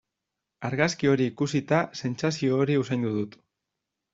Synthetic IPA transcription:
aɾɣaskio̞ɾiːkusit̪ase̞nt͡sasio̞ːɾiusajnd̪uðut̪

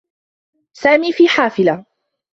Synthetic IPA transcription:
saːmiːfiːħaːfɪla

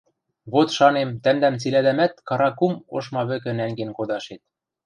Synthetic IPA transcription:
βot̪ʃɑnemt̪æmd̪æmt͡silæd̪æmæt̪kɑɾɑkumo̰ʃmɑβɘ̆kɘ̆næŋɡenkod̪ɑʃet̪̚

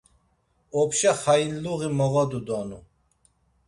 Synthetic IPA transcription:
ɔpʰʃaχajinluɣimɔʁɔd̪ud̪ɔnu

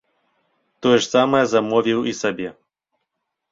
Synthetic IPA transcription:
t̪ɔjɛʂsamɐjɛzamɔvʲiwisabʲɛ

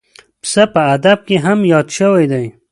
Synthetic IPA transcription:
psapəːd̪ab̚keɦamjɑd̪ʃəwajd̪aj

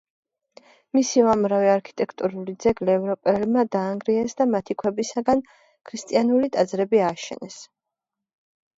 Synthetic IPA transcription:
misiɔamɾaviaɾkʰi̥t̪ʼɛkʰt̪ʼuɾulid̪zɛɡlɛːvɾɔpʼɛlmad̪aːŋɡɾiɛsd̪amat̪ʰikʰwɛbisaɡan | kʰɾist̪ʼianulit̪ʼad̪zɾɛbiaːʃɛ̰nɛs

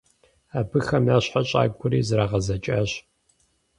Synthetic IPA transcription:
aːbɨxɐmjaːɕħaɕʼa̰ːɡ̚ɡʷʰʊɾiːzɨɾaːʁɐzɐt͡ʃʼɐɕ

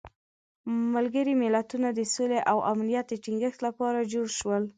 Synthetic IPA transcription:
malɡəɾimɪlat̪unad̪əsoleʔawʔamnijat̪̚d̪əʈiŋɡəxt̪lapɑɾad͡ʒoɽʃwəl

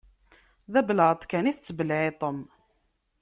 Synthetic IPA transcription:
ðæbələʕət̪ˤkæniθət͡sːəbəlʕet̪ˤəm

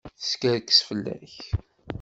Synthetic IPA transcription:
θə̥skæɾkə̥sfəlːæ̰ç

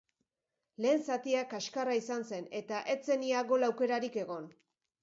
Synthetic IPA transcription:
le̞ːnsat̪iakaʃkaraisanse̞ne̞t̪aʔe̞t͡se̞niaɣo̞lawke̞ɾaɾike̞ɣ̞o̞n

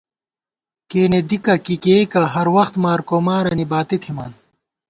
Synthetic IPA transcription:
keːned̪ikɐkikeːikɐɦɐɾwɐxt̪maːɾkoːmaːɾɐnibaːt̪et̪ʰima̰ːn

